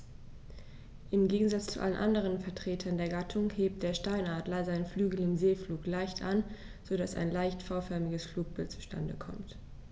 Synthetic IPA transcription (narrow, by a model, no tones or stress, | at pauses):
ʔɪmɡeːɡŋ̩zat͡st͡suʔa̰lənʔa̰ndəʁ̞ənfɛɐtʁ̥eːtʰɐndeːɐɡatʰʊŋheːp̚t̚d̥eːɐʃtaɪnaːɐtlaɪzɐaɪnflyːɡl̩ɪmzeːfluːklaɪçtʔa̰n | z̥odasa̰ɪnlaɪçtfaʊfœɐmɪɡəsfluːk̚b̥ɪlt̚t͡su̥ʃtʰa̰ndə̰kʰɔ̰mt